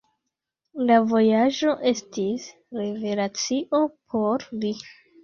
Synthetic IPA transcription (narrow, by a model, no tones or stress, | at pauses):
lavo̞jaʒo̞ʔe̞stis | ɾe̞ve̞lat͡siʔo̞pʰo̞ɾli